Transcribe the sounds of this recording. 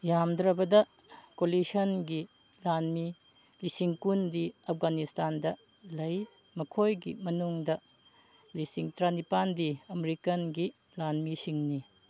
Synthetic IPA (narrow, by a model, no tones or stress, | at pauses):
jamdɾɐbɐdɐ | kolisɐnɡi | lanmi | lisiŋkundiɐp̚ʰɡanistandɐ | lɐj | mɐkʰojɡḭmɐnuŋdɐ | lisiŋtɾanipandiɐmeɾikɐnɡi | lanmisiŋni